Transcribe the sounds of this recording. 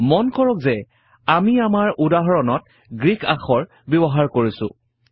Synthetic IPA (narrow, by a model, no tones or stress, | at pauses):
mɔnkɔɹɔkzɛ | amiamaɹudaɦɔɹɔnɔt̚ | ɡɹikʰaxɔɹ | bɔbɔɦaɹkoɹisʊ̰̃